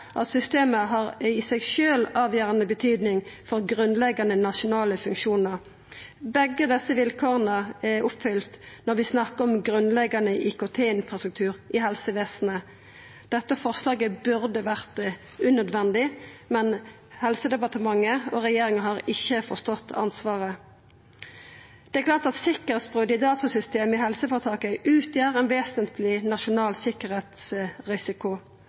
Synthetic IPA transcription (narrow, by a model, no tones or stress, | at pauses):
ʔɑ̰t̪sʏst̪eːməɦɑːʁɪsɛɡʃøːlɑːʋjøːʁənəbət̪ʰyːd̪nɪŋfɔʁɡʁʉnlɛɡɑnənɑʃʊnɑːləfʉŋkʃuːnəʁ | bɛɡːəd̪ɛsːəʋɪlkʰoːʁənəɛʊpfʏlt̪nɔʁʋɪsnɑkəɔmɡʁʉnlɛɡɑnəʔɪkʊt̪ʰeːɪnfʁɑst̪ək̚t̪ʰʉːʁʔɪɦɛlsəʋeːsnə | d̪̥ɛt̪ːəfɔʁslɑːɡəbʉʁd̪əʋæʁt̪ | ʉnœd̪ʋɛnd̪ɪmɛn | hɛlsəd̪ɛpɑʁt̪əmɑŋːəɔʁɛjeːʁɪŋəɦɑːʁɪçːəfɔʁst̪ɔt̪ːɑ̰nsʋɑːʁə | d̪̥ɛɛklɑːʁt̪ɑt̪sɪkːəʁɛt̪sbʁʉːd̪ɪd̪ɑːt̪ʊsʏst̪eːmɪɦɛlsəfɔʁt̪ʰɑːkəʔʉːt̪ʰjiːʁɛnʋeːsənt̪ʰlɪnɑʃʊnɑːlsɪkəʁheːt̪sʁɪsɪkʊ